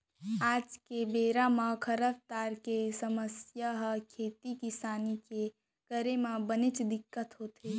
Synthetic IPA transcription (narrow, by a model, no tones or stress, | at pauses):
aːd͡ʒkebeːɾamãkʰəɾəbt̪aːɾkesəməsjaɦkʰeːt̪ikɪsaːnike | kəɾemãbənɪt͡ʃd̪ɪkːət̪ɦoːt̪ʰe